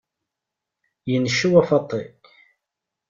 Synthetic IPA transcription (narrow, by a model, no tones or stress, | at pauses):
jənʃuwæfɑt̪ˤːi